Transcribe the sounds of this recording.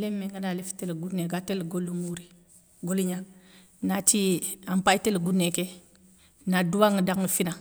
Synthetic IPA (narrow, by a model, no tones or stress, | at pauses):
lemːeŋɡanalefi̥telɡuneɡatelɡolumuɾi | ɡoliɲaŋ | natiampajtelɡuneke | naduwaŋədaŋəfina